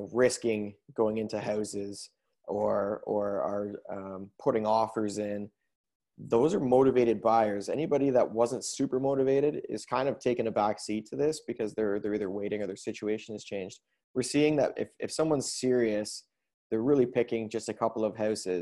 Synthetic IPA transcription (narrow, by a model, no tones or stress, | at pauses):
ɹɪskɪ̃ŋɡoʊɪ̃ŋɪ̃ntuɦaʊsɪz | ʔə˞ə˞ə˞ʌ̃pʰʊɾɪ̃ŋɔfə˞zɪ̃n | ðoʊzə˞moʊɾɨveɪɾɨd̚baɪə˞zɛ̰nibɑɾiðəʔ̚wʌzə̃ntsʉpə˞moʊɾɨveɪɾɨɾɪ̰z̥kʰãɪ̃ndʌv̥tʰeɪkɨ̃nɨbæksitʰɨðɪsb̥ɨkʰʌzðə˞ðə˞iðə˞weɪɾɪ̃ŋə˞ðə˞sɪt͡ʃueɪʃɨ̃nɨz̥t͡ʃʰẽɪ̃nd͡ʒd̚ | wɨɹsiɪ̃ŋðɨ̰ɾɪ̰fɨ̰fsʌ̃mwʌ̃nz̥sɪɹiɨs | ðə˞ɹɪlˠipʰɪkɪ̃ŋd͡ʒʌstɨkʰʌpl̩ˠʌv̥haʊsɪz